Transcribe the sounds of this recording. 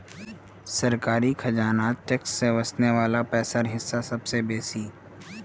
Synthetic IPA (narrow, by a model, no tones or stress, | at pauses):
sɐɾkaːɾikʰɐd͡ʒaːnaːt̪̚ʈɛksːeʋɐsneʋaːlapɛːsaɾɦɪsːasɐbsebeːsiː